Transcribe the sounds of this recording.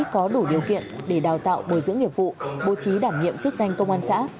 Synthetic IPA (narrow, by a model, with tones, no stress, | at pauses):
kɔ˨˦ɗu˧˩ɗi˨˩əwkḭ˧˨ənɗe˧˩ɗaː˨˩wt̪a̰ː˧˨wɓo˧˩jzɨ̰˧˥əŋːi˨˩əp̚vṵ˧˨ɓo̰˧˨t͡ɕi˨˦ɗaː˧˩mɲḭ˧˨əmt͡ɕk̚za˧jŋ̟kə˧wŋ͡mʔaː˧nsa̰ː˧˥